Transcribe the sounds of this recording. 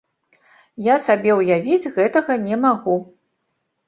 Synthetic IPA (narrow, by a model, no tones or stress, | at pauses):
jasabʲɛwjavʲid͡zʲɣɛt̪ɐɣɐnʲɛmaɣu